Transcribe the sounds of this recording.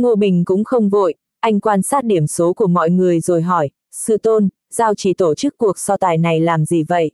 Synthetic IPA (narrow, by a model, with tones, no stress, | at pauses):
ŋo˧ɓï˨˩ŋ̟kʊ̰˧˥ŋ͡mxə˧wŋ͡mvo̰˧˨j | ʔa˧jŋ̟kwaː˧nsaː˦˥t̚ɗi˧˩əmso˨˦ku˧˩əmɔ̰˧˨jŋɨ˨˩əjzo˨˩jɦɔ˧˩j | sɨ̰˧˨t̪o˧n | z̥aː˧wt͡ɕi˧˩t̪o˧˩t͡ɕɨ˦˥kːu˨˩ək̚sɔ˧t̪aː˨˩jna˨˩jlaː˨˩mzi˨˩və̰˧˨jʔ